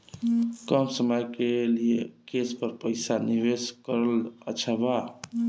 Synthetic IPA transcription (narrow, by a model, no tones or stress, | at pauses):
kəmsəməjkelijekespəɾpəɪsaniʋeskəɾələt͡ʃʰəba